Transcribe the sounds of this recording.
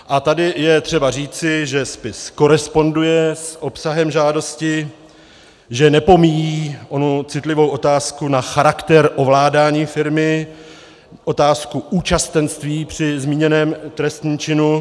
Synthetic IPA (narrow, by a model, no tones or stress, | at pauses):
ʔat̪adɪjɛt̪r̥ɛbar̝iːt͡sɪʒɛspɪsko̞ɾɛspo̞ndujɛsʔo̞psaɦɛmʒaːdo̞scɪ | ʒɛnɛpo̞mijiːʔo̞nut͡sɪt̪lɪvo̞wʔo̞t̪aːskunaxaɾakt̪ɛɾʔo̞vlaːdaːɲiːfɪɾmɪ | ʔo̞t̪aːskuʔuːt͡ʃast̪ɛnst̪viːpr̝̥ɪzmiːɲɛnɛːmt̪ɾɛst̪ɲiːmt͡ʃɪnu